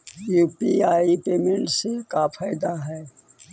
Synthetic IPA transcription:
juːpiaːipeːmẽɳʈsekafʰaːɪd̪aɦɛː

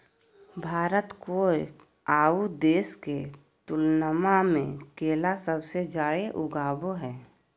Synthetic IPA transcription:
bʱaːɾət̪koe | aːud̪eːske | t̪ʊlnəmamḛ̃keːlasəbsed͡ʒaːɽeʔʊɡaːboɦɛː

